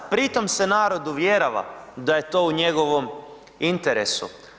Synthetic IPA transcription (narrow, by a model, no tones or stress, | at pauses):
pɾit̪o̞mse̞naːɾo̞d̪uʋjeɾoʋa̰d̪aje̞t̪o̞ːuɲe̞ɡo̞ʋo̞m | int̪eɾesṵ